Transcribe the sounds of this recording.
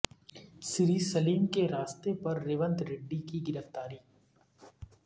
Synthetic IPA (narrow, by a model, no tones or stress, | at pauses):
sɪɾiːsɐliːmkeɾaːst̪epɐɾːɪːʋə̃nt̪ɾɪɖːikiɡɪɾəft̪aːɾiː